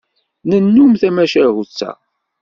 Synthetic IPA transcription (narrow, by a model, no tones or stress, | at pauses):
nənːumθæmæʃæhut͡sːæ̰